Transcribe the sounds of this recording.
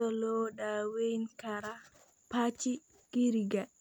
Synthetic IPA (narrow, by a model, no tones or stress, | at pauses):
ɔlɔɗawejnkaɾa | pat͡ʃi | kiɾiɡa